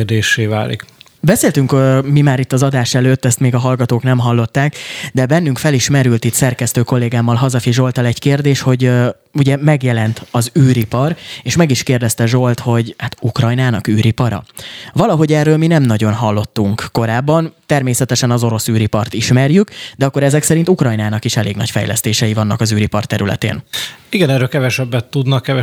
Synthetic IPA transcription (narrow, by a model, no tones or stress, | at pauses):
d̪eːʃeːvaːlḭk | bɛseːlt̪yŋkmimaːɾit̪ːɒzɒd̪aːʃɛløːt̪ːɛst̪meːɡɒɦɒlɡɒt̪oːknɛmɦɒlːo̞t̪ːaːkd̪ɛbɛn̪ːyŋkfɛliʃmɛɾylt̪it̪sɛrkɛst̪øːko̞lːeːɡaːmːɒlɦɒzɒfiʒo̞lt̪ɒlɛɟkeːrd̪eːʃho̞ɟ | uɟɛmɛɡjɛlɛnt̪ɒzyːɾipɒreːʃmɛɡiʃkeːrd̪ɛst̪ɛʒo̞lt̪ho̞ɟhat̪ukrɒjnaːnɒkyːɾipɒɾɒ̰vɒlɒɦo̞ɟɛrːøːlminɛmnɒɟo̞nɦɒlːo̞t̪ːuŋkːo̞ɾaːbːɒnt̪ɛrmeːsɛt̪ɛʃɛnɒzo̞ɾo̞syːɾipɒrt̪iʃmɛrjykd̪ɛɒkːo̞ɾɛzɛksɛɾint̪ukrɒjnaːnɒkiʃɛleːɡnɒ̰cfɛ̰jlɛ̰st̪eːʃɛjivɒnːɒkɒzyːɾipɒrt̪ɛɾylɛ̰t̪ḛːniɡɛnɛɾølkɛvɛʃɛbːɛt̪ːud̪nɒkːɛvɛ